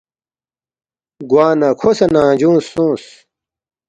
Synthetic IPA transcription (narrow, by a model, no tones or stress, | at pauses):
ɡwaːnakʰosɐnãːd͡ʑũːsːũːs